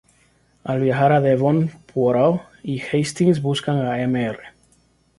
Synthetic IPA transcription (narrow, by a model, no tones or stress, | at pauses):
alβjaxaɾaðeβonpwoɾaw | ixejst̪iŋzβuskaŋaemeere